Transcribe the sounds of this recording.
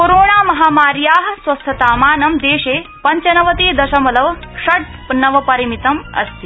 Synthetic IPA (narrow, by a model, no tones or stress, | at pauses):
koɾoːɳaːmɐɦaːmaːɾjaːɦsʋɐst̪ʰɐt̪aːmaːnɐmd̪eːɕeːpɐɲt͡ɕɐnɐʋɐt̪eːd̪ɐɕɐmɐlɐʋʂɐʈ̚pnɐʋɐpɐɾimit̪ɐmɐ̰st̪i